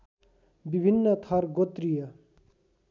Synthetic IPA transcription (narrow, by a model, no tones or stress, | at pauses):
bibʱinːət̪ʰʌɾɡot̪ɾijə